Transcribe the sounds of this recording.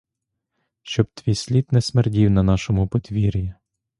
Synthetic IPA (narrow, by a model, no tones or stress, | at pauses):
ʃt͡ʃɔb̚t̪ʋʲijsʲlʲit̪nɛsmerdʲiwnɐnɑʃɔmʊpɔt̪ʲʋʲiɾʲi